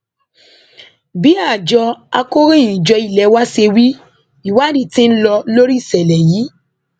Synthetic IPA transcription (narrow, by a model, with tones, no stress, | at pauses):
bi˨˦a˦˨d͡ʒɔ˧a̰˧ko˦ɾĩ˦˨ĩ˨d͡ʒɔ˧i˨lɛ˨˦wa˦se˧wi˦ | i˦˨wa˦˨di˦˨tĩ˦n̩˦lɔ˧lo˦ɾi˦˨sɛ˨lɛ˨ji˨˦